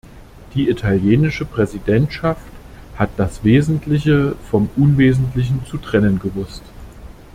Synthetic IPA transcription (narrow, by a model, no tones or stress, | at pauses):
d̥iːitʰaljeːnɪʃəpʁ̥ɛzidɛntʃafthat̚d̥asv̥eːzn̩tʰlɪçəfɔmʔʊnveːzn̩tlɪç̬n̩t͡sutʁ̥ɛnənɡəvʊst